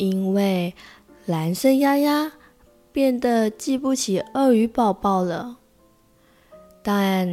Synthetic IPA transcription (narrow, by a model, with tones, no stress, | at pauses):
i˦˥nwe˥˩ɪ | la˧˥nʂə˥˧nja˥ja˥ | pjɛ˥˩nd̪ə˨˩t͡ɕi˥˧pu˥˩t͡ɕʰi˨˩ə˥˩y˧˥pɑ˥˧ʊpɑ˥˩ʊlə˩ | t̪a˥˧n